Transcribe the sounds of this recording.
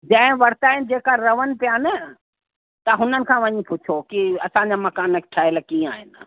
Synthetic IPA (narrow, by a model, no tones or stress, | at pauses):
d͡ʑɐ̃ɦɪ̃ʋɐɾt̪aːɦɪnd͡ʑeːkaɾɐʋənpjaːnə | t̪ɐɦʊnənɪ̆kʰãːʋɐɲĩpʊt͡ʃʰokiɐsãːɲd͡ʑamɐkaːnəkʰʈʰaːɪləkĩːaːɦɪn